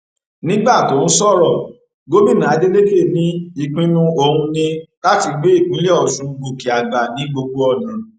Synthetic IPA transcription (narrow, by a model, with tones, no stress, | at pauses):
nĩ˦ɡ͡ba˦˨to˨˦ñ̩˦sɔ˦˨ɾɔ˦˨ | ɡo˦mĩ˦˨nã˨a˨˦d͡ʒe˦le˦ke˦˨nĩ˦i˧˨k͡pĩ˦nũ˦o˧hũ˧nĩ˧la˦ti˧ɡ͡be˦i˦˨k͡pĩ˨˦le˦ɔ˨ʃũ˧˦˧ɡ͡bo˨ki˨a˨ɡ͡ba˨nĩ˨˦ɡ͡bo˧ɡ͡bo˦ɔ˧nã˨